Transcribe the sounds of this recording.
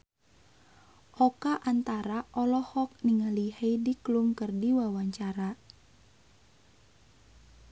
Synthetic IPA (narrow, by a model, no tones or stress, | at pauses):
ʔɔkaʔant̪aɾaʔɔlɔhɔk̚niŋalihejdiklumkərdiwawaɲt͡ʃaɾa